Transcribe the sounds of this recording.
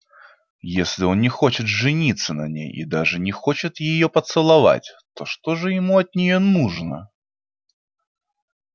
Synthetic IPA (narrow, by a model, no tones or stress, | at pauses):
jesʲlʲiɔnnʲɛxɔt͡ɕɪt̪ʐɨnʲit̪sːɐnɐnʲḛjḭd̪aʐɨnʲɛxɔt͡ɕɪt̪jɪjɔpɐt̪sɨlˠava̰t͡sʲt̪ɔʂt̪ɔʐɨjɪmuɐt̪̚nʲɪjɔnuʐnɐ̰